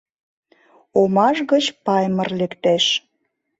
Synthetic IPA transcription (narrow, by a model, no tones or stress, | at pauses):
omɑʃɣət͡ɕpɑjmərlekt̪eʃ